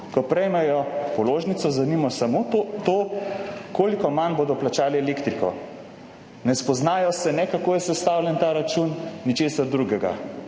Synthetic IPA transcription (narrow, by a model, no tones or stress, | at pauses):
kɔpɾɛjmɛjɔpɔloːʒnit̪sɔzanimɔsamot̪o | koːlikɔmanboːd̪ɔplat͡ʃaːliɛlekt̪ɾikɔ̰ | nɛspɔznaːjɔsɛnɛkakoːjɛsɛst̪aːwlʲjɛnt̪aːɾat͡ʃunːit͡ʃeːsaɾd̪ɾuɡɛɡa̰